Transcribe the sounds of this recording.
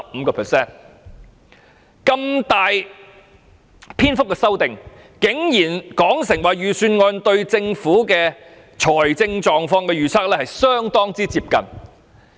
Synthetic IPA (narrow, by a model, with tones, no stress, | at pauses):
ɐ˨p̚m̩ː˨˧kɔː˧pʰɛ˨sɛː˥˩n | kɐ˧mt̪aː˨j | pʰiː˥nfʊ˥k̚ːɛ˧sɐ˥wt̪ɪ˨ŋ | kɪ˨˥ŋjiː˨˩nkɔː˨˥ŋsɪ˨˩ŋwaː˨ɥyː˨syː˧nŋɔː˧nt̪ɵ˧ɥt͡sɪ˧ŋfuː˨˥kɛː˧ | t͡ʃʰɔː˨˩jt͡sɪ˧ŋt͡ʃɔː˨ŋfɔː˧ŋkɛː˧jyː˨t͡sʰaː˥k̚lɛː˥hɐ˨jsœː˥ŋt̪ɔː˥ŋt͡siː˥t͡siː˧p̚kɐ̰˨n